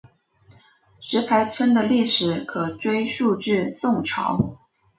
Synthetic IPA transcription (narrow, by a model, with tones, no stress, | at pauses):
ʂɻ̩˧˥pʰa˧˥ɪt͡sʰwə˥nd̪ə˨li˥˩ʂɻ̩˨˩kʰɤ˨˩ʈ͡ʂwe˥ɪʂu˥˧ʈ͡ʂɻ̩˥˧sʊ˥˩ŋʈ͡ʂʰɑ̰˧˥ʊ